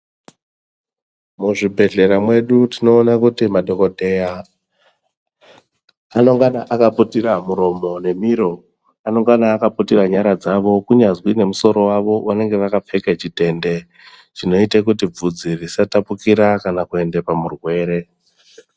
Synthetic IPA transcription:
muʐibʱe̞ɮe̞ɾamwe̞ɗutino̞ːnakutimaɗʱo̞ko̞dʱe̞ja | ano̞ŋɡanaʔakaputiramuɾo̞mo̞ne̞miɾo̞ | ano̞ŋɡanaːkaputiraɲaɾad͡zaʋo̞kuɲazwine̞muso̞ɾo̞waʋo̞wane̞ŋɡe̞ʋakap͡fe̞ket͡ʃite̞nde̞ | t͡ʃino̞itekut̬ib͡vud͡zirisatapukiɾakanakue̞nde̞pamurwe̞ːɾe̞

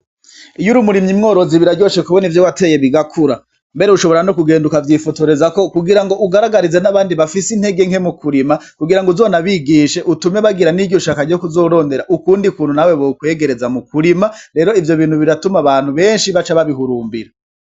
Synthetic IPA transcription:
ijuɾumuɾimɲimŋo̞ːɾo̞ziβiɾaɟo̞ːʃekuβo̞nivjowate̞ːje̞βiɡakʰuɾa | mbe̞ɾeuʃo̞βo̞ɾano̞kuɡe̞ːndukavjiːfotoɾe̞zako̞kuɡiɾaŋɡo̞ʔuɡaɾaɡaɾize̞naβaːndiβafisin̥he̞ɡe̞ŋhe̞mukuɾimakuɡiɾaŋɡouzonaβiɡiːʃe̞ʔutumeβaɡiɾaniɟo̞ʃakaɾɟo̞kuzo̞ːɾo̞ːnde̞ɾaʔukuːndikuːn̥hunaweβokwe̞ːɡe̞ɾe̞zamukuɾimaɾe̞ɾo̞ivjo̞βiːn̥huβiɾatumaβaːn̥huβe̞ːnʃiβat͡ʃaβaβiɦuɾuːmbiɾa

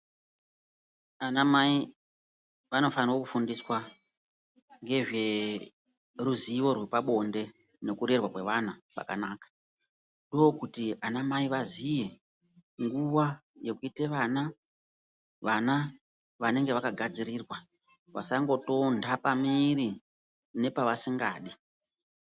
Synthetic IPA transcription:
anamai | ʋano̞faniro̞kufundiswa | ŋɡe̞ʐe̞ | ruziʋo̞rwe̞paɓo̞nde̞ | ne̞kuɾe̞rwakwe̞ʋanapa̰ka̰naːkḁ | ndojokutianamaiʋazije̞ | ŋɡuʋaje̞kuite̞ʋana | ʋana | ʋane̞ŋɡeʋakaɡʱad͡ziɾiːrwa | ʋa̰saŋɡo̞to̞ndapamiri | ne̞paʋasiŋɡa̰ːɗi

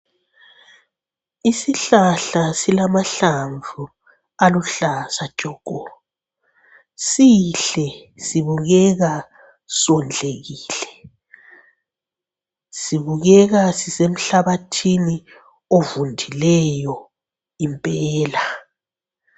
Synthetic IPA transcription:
isiɬaɬasilamaɬaɱvʱu | aluɬasḁʒ̥ʼʱɔːɡ̥ʱɔ | siɬɛsiβuɣɛɣa | sɔnd͡ɮʱeɣiːlɛ | siβuɣɛɣasisem̩ɬaβatʰini | ovundʱilɛjɔ | impʼɛːla

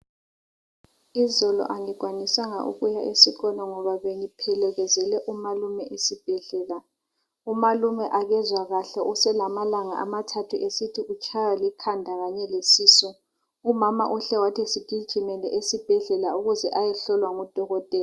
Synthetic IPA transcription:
izɔlɔ̰ʔaŋiɡ̥ʱwanisaŋaʔṵɣujaʔesiɣɔnaŋɔβaβeŋipʰɛlɛɣɛzɛlɛʔumalumɛʔesib̥ʱɛɮɛːla | umalumɛʔaɣɛzwaɣaɬɛʔusɛlamalaŋa̰amatʰatʰuʔesitʰiut͡ʃʼʰajalikʰandʱaɣaɲɛlesiːsɔ | umamaʔuɬɛwatʰɛsid̥ʼʱiɡ̥ʱimɛlɛʔesib̥ʱɛɮɛlauɣuzɛʔajɛɬɔlwaŋɔd̥ʱɔɣɔtʼɛːla

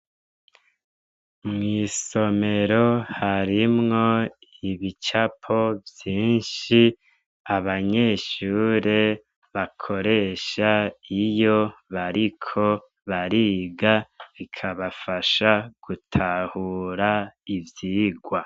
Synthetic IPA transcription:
mŋiːso̞me̞ɾo̞haɾimŋo̞iβit͡ʃapʰo̞vjiːnʃi | aβaɲe̞ʃuːɾe̞ | βakʰo̞ɾe̞ʃaijo̞βaɾikʰo̞ | βaɾiɡaβikʰaβafaʃaɡ̥utʰahuːɾaivjiːɡwa

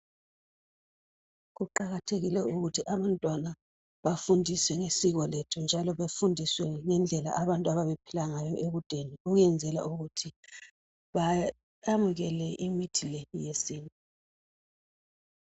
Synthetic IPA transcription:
ɣuǃaɣatʰeɣilɛuɣutʰiʔaβantʼwana | βafundʱiswɛŋesiɣɔletʰund͡ʒʱalɔβefundʱiswɛŋɛnd͡ɮʱɛla̰ʔaβantʼuaβaβepʰilaŋajɔʔeɣud̥ʱeniuɣujɛnd͡zʱɛla̰ʔuɣutʰi | βa | amuɣɛlɛʔimitʰilejesiːnʼi

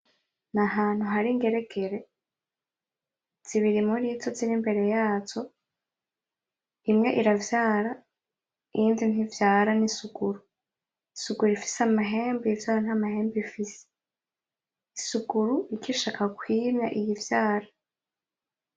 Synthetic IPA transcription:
naɦaːn̥huɦaɾiŋɡe̞ɾe̞kʰe̞ɾe̞ | z̥iβiɾimuɾitoziɾimbe̞ɾe̞jaːt͡ʃo̞ | imŋe̞ʔiɾavjaːɾa | iiːndin̥ivjaːɾanisuɡuɾu | isuɡuɾifi̥seamaɦe̞ːmbivjaːɾan̥hamahe̞ːmbifise̥ | isuɡuɾuikiʃakakwiːmɲaʔijivjaːɾa

